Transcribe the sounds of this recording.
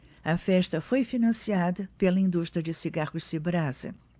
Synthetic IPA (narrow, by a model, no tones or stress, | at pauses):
ɐfɛʃt̪ɐfojfinɐ̃siad̪ɐpelɐĩnd̪uʃt̪ɾijɐd͡ʒɪsiɡaʁʊsibɾazɐ̰